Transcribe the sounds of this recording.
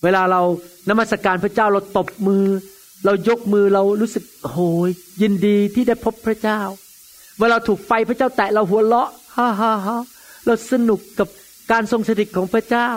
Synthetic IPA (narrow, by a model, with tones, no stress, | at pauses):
weː˧laː˧ɾa˧wna˦˥mːa˥˩t̪sa˧kaː˧npʰɾa˥˩t͡ɕaː˥˩wɾa˧wt̪o˨˩p̚mɯː˧ | ɾa˧wjo˦˥k̚mɯː˧ɾa˧wɾuː˦˥sɯ˨˩k̚hoː˨˦jji˧ndiː˧t̪ʰiː˥˩da˥˩jpʰo˦˥pʰːɾa˥t͡ɕaː˥˩w | weː˧ɾa˧wt̪ʰuː˨˩k̚fa˧jpʰɾa˥˩t͡ɕaː˥˩wt̪ɛ˨˩ɾa˧wɦu˨˩˦ɐlɔ˦˥ʔha˦˥ɦa˦˥ɦa˦˥ | ɾa˧wsa˧nu˨˩kːa˨˩p̚ | kaː˧nso˧ŋsa˧di˨˩kʰːɔː˩˦ŋpʰɾa˦˥˩t͡ɕaː˥˩w